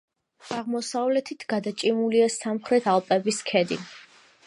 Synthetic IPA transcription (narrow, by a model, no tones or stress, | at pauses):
aʁmɔsavlɛt̪ʰit̪ʰɡad̪at͡ʃʼimuliasamχɾɛt̪ʰalˠpʼɛbiskʰɛd̪ḭ